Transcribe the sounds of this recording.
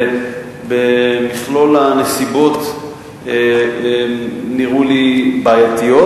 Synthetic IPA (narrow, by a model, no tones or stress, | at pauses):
bemiχlo̞lanesibo̞t̪ | niʁulibaːjat̪ijo